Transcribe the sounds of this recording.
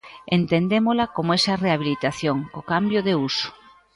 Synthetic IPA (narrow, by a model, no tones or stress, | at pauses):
ent̪end̪emolɐkomoɛsɐreaβ̞ilit̪aθjoŋkokambjoðeusʊ̥